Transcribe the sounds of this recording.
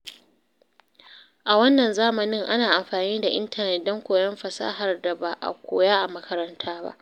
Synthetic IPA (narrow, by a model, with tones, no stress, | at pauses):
ʔa˨wɐ˦nːɐ˨nzaː˦mɐ˨nɪ˦ŋʔa˦naː˨ʔa˨mɸaː˨niː˦da˨ʔɪ̰˦ntɐ˨nɛ˦t̚dɔ˦ŋkʷoː˨jɐ˦mɸɐ˨sa̰ː˦ɦa˨rda˨baː˨ʔa̰˨kʷo̰ː˨jaː˦ʔa˨mɐ˦kʰɐ˦ɾɐ˦ntʰaː˦ba̰˦ʔ